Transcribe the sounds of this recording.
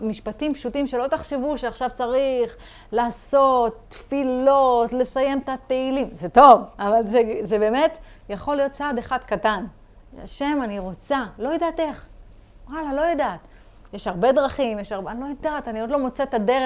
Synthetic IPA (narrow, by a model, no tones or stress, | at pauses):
miʃpatimpʃutimʃelo̞t̪aχʃe̞vuʃeaχʃavt͡saʁiχ | laːso̞t̪ːfilo̞tle̞saje̞mt̪at̪eilimzeto̞vavalzezebe̞ːme̞t̪ | jaχo̞lijot̪̚t͡saːd̪eχadkatan | a̰ʃe̞maniʁo̞t͡salo̞jed̪aːte̞χ | walalo̞jadat̪ | jeʃhaʁbe̞dʁaχimjeʃaʁbanlo̞jadataniot̪lo̞mo̞t͡set̪adeʁe